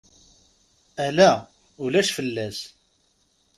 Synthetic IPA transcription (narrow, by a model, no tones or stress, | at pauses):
ælæ | ulæʃfəlːæs